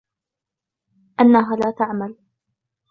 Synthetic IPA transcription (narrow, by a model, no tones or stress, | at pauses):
ʔanːaɦaːlaːt̪aʕmal